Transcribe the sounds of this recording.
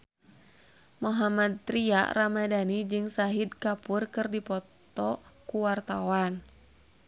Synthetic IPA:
moɦamad̪̚t̪ɾia̰ramadanid͡ʒɨŋsaɦid̪̚kapurkɨrdipɔt̪ɔkuwart̪awan

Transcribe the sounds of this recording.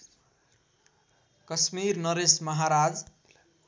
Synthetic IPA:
kʌsmirnʌɾesmʌɦaɾad͡z

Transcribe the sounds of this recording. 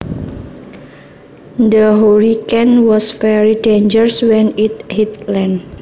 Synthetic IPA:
nd̪əɦoɾikɛnwɔsfɛɾidend͡ʒəɹswɛnit̪̚hit̪lɛn

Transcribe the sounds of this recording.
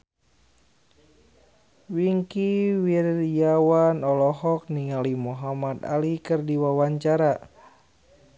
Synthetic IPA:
wiŋkiwirjawanɔlɔɦɔk̚niŋalimuɦamad̪a̰likɨrdiwawaɲt͡ʃaɾa

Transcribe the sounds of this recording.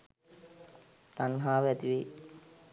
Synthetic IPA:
t̪anɦaːʋɛt̪iʋi

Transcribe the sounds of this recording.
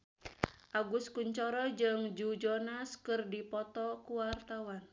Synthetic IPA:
ʔaɡuskuɲt͡ʃɔɾɔd͡ʒɨŋd͡ʒud͡ʒɔnaskɨrdipɔt̪ɔkuwart̪awan

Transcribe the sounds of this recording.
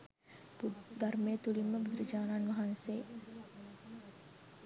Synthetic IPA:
bd̪armet̪uliməbud̪ɾid͡ʒalanmaɦanse

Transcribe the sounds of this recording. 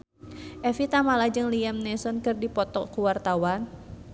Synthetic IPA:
ʔɛfit̪amalad͡ʒɨŋliamnɛsɔnkɨrdipɔt̪ɔ̰kuwart̪awan

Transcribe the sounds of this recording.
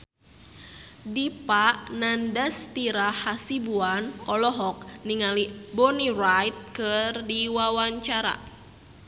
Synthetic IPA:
dipaʔnandast̪iɾahasibuanɔlɔɦɔk̚niŋalibɔnirajt̪̚kɨrdiwawaɲt͡ʃaɾa̰

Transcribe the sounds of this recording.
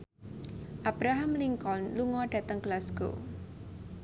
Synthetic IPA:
ʔab̥ɾaɦamliŋkɔnluŋɔɖ̥a̤t̪əŋɡəlasɡ̥o̰

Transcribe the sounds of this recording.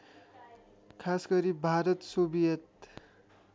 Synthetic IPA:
kʰasɡʌɾibʱaɾʌt̪sobijʌt̪

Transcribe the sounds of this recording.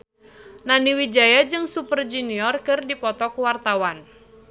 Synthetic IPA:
naniwid͡ʒajad͡ʒɨŋsupərd͡ʒuniɔrkɨrdipɔt̪ɔkwart̪awan

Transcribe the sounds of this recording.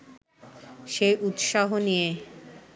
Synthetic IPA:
ʃejʔut̪ʃaɦonije

